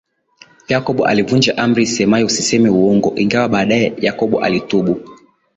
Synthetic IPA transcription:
jakɔɓɔʔa̰livund͡ʒaʔamɾisɛmaɛusisɛmiuɔŋɡɔ̰ʔiŋɡawaɓaːɗaɛjakɔɓɔ̰ʔa̰lituɓu

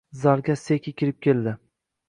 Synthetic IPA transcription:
zaɾɡʲasekʲʰɪkʲʰɪɾɪp̚kʲʰe̞ld̪ɪ

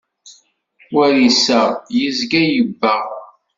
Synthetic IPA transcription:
wæɾisəʁjizɡæjəbːəʁ

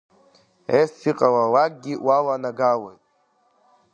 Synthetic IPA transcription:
esiqʼawawak̚ʼɡʲiwʔawanaɡawejtʼ

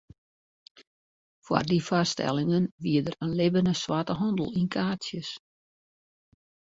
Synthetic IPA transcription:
fwa̰rdifastɛ̰lˠɪŋənʋiədərənlɪbənəswatəɦɔndəl̩ˠinkʰaːtsjəs

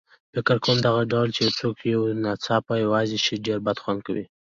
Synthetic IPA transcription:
fɪkɪɾkomd̪aɣaɖawlt͡ʃewt͡sokjawnɑt͡sɑpajawɑzeʃiɖeɾbad̪xwand̪̚kawḭ

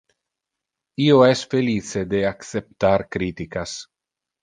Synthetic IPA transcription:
ioɛsfelit͡sed̪eakt͡sep̚t̪aɾkɾit̪ikas

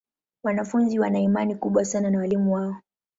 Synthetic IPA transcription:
wanafunziwanaimanikuɓwasananawalimuwaɔ

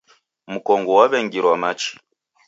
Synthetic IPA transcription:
mukɔŋɡɔwaβɛŋɡiɾwamat͡ʃi̥

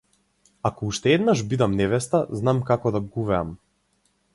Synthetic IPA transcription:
akɔuʃt̪ɛɛd̪naʒbid̪amnɛvɛst̪aznamkakɔd̪aɡuvɛa̰m

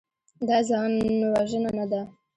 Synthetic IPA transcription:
d̪ɑzɑnwaʒənanad̪a

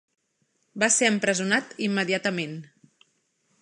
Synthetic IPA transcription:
baseəmpɾəzunat̪imːəðiat̪əmen

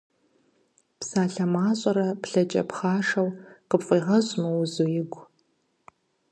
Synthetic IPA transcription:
psaːɬɐmaːɕʼɐɾɐpɬɐt͡ʃʼɐ̰pχaːʂɐwqəpfʼiːʁɐʑʼmɐwzujɪɡʷ

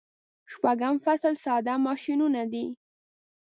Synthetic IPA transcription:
ʃpaɡamfaslsɑd̪amɑʃinunad̪i

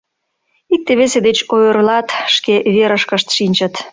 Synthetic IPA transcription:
ik̚t̪eβesed̪et͡ɕojərlɑt̪ʃkeβeɾəʃkəʃt̪ʃinʲt͡ɕət̪

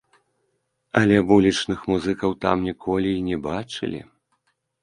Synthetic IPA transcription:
ɐlʲɛbulʲit͡ʂnɨxmuzɨkɐwt̪amnʲikʰɔlʲiːnʲɛbat͡ʂɨ̰lʲḭ

